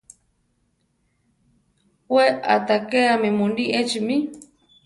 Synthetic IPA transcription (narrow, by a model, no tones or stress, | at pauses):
wea̰t̪akeamimundiʔet͡ʃimi